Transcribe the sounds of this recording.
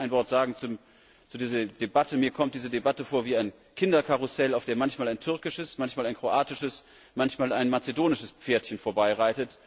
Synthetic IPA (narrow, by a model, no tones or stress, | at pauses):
aɪnvɔɐtz̥aːɡŋ̩t͡su | t͡sudiːzɐd̥ebatəmiːɐkʰɔmt̚d̥iːzədebatəfoːɐviːaɪn | kʰɪndɐkʰaʁʊsɛlaʊfd̥eːɐmançmaːlaɪntʰʏɐkɪʃəsmançmaːlaɪnkʁ̥oʔaːtɪʃəs | mançmaːlaɪnmat͡sedoːnɪʃəsp͡feːɐtçənfoːɐbaɪʁaɪtət